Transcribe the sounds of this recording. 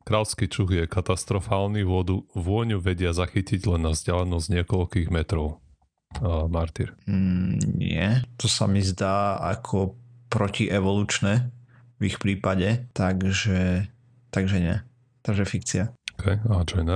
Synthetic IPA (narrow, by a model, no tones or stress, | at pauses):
kɾalskit͡ʃuɣjɛkat̪ast̪ɾɔfaːlniʋʊɔd̪uʋʊɔɲuʋɛɟɪazaxiciɟlɛnːavzɟalɛnɔzɲɪɛkɔʎkiːɣmɛt̪ɾɔʊ | maɾt̪iɾ̩ | ɲɪ̰ɛt̪ɔsa̰mizd̪aːa̰kʰɔpɾɔciʔɛʋɔluːt͡ʃnɛ | vixpɾiːpaɟɛt̪aɡʒɛ | t̪aɡʒɛɲɪɛ̰ | t̪aɡʒɛfikt͡siaɔ̥kʰɛjad͡ʒɔjnɛ